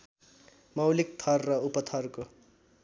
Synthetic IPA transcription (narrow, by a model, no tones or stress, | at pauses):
mʌwlik̚t̪ʰʌrːʌupʌt̪ʰʌrko